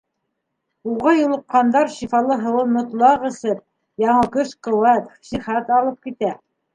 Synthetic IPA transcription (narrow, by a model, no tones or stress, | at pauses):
uʁɑjulˠɤ̆q̚qɑnd̪ɑɾʃifɑlˠɤɦɤ̆wɤmŏt̪lˠɑʁɘ̆sɘp̚ | jɑɴɤkɵʃqɵ̆wæt̪ʃiχæt̪ɑlˠɤp̚kit̪æ